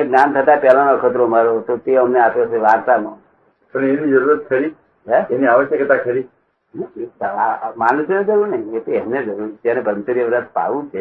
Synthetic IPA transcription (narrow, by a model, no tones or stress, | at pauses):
eknant̪ʰət̪apɛlanoʋəkʰət̪ɾomaɾot̪ot̪eəmneapjot͡ʃʰeʋaɾt̪amo | təñeenid͡ʒəɾuɾət̪̚kʰəɾi | ɦɛeniaʋəʃjəket̪ãkʰəɾi | aamanũsened͡ʒəɾuɾnəiet̪oɛmned͡ʒəɾuɾd͡ʒanebʱəɾmsuɾjəʋɾət̪̚ʰpa̰ʋũt͡ʃʰe